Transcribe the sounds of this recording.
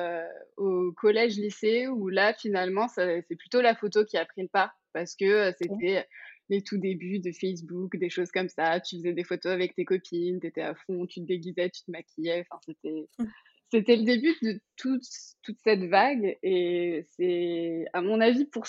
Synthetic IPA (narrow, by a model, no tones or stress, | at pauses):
okʰɔlɛʒliseulafinalmɑ̃sɛsɛplyt̪olafot̪okʲiapχiləpaʁ | paʁsə̥kəøset̪ɛølet̪ʰud̪ebyd̪əfɛs̬bukd̪eʃozkɔmsat̪yfəzɛd̪efot̪oavɛk̚t̪ekɔpʰint̪et̪ɛafɔ̃t̪yt̪əd̪eɡʲizɛt̪y̥t̪əmakʲijɛɑ̃fɛ̃set̪ɛ | set̪ɛləd̪ebyd̪ət̪ʰut̪t̪ːut̪sɛt̪vaɡesɛamɔ̃navipuʁ